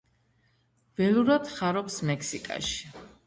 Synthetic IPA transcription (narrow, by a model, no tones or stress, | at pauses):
vɛluɾat̪χaɾɔpsmɛksikʼa̰ʃi̥